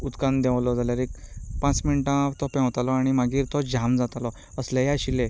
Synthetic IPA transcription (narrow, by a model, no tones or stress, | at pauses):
ut̪kãnd̪ɛ̃ʋlɔd͡zaljaɾekpãt͡sminʈãt̪ɔpɛ̃wt̪alɔaɽ̃imaɡiːɾt̪ɔd͡ʑamd͡zat̪alɔ | əslajaɕile